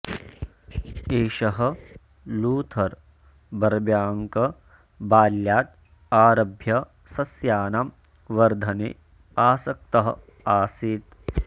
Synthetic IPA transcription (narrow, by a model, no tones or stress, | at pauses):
eːʃɐɦɐ̆ | luːt̪ʰɐɾ | bɐɾɐbjaːŋkɐ | baːljaːt̪̚ | aːɾɐbʱjɐ | sɐsjaːnam | ʋɐɾd̪ʱɐnḛ | aːsɐk̚t̪ɐɦɐ | aːsiːt̪